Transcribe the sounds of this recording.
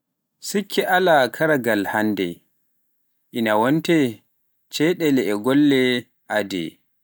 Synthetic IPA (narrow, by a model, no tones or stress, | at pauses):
sukʰːiʔalakʰaɾaɡalhandɛ̰ | ʔinawɔntɛ | t͡ʃɛɗɛlɛɛɡɔlːɛ | ʔadɛ̰